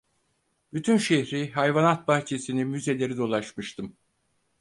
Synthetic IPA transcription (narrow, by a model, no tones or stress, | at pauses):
b̥yt̪ʰynʃeçɾiɦajvanat̪̚baht͡ʃʰe̞sinimyze̞lʲe̞ɾid̪o̞lˠaʃmɯʃt̪ʰɯm